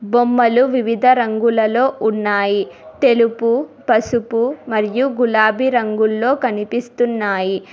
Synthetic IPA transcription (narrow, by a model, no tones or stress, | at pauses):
bomːɐluʋiʋid̪ʱɐɾɐŋɡulɐlo̞ːʔunːaːjit̪e̞lupupɐsupumɐɾijuɡulaːbʱiɾɐŋɡulːo̞ːkɐnipist̪unːaːji